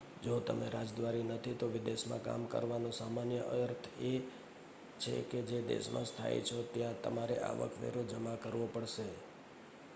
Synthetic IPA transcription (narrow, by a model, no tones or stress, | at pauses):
d͡ʒot̪əmeɾad͡ʒd̪ʋaɾinət̪ʰit̪oʋɪd̪eʃmã̰ka̰mkə̰ɾʋanõsamanjəʔəjəɾt̪ʰe | t͡ʃʰḛked͡ʒed̪ḛʃmã̰st̪ʰa̰jḛt͡ʃʰot̪jãt̪ə̰maɾḛʔa̰ʋə̰kʰʋḛɾod͡ʒəmakəɾʋopəɽʃe